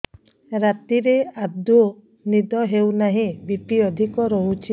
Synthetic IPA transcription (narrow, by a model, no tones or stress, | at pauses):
ɾat̪iɾead̪u | nid̪ɔɦewnaɦĩbipiɔd̪ʱikɔɾɔɦut͡ʃʰi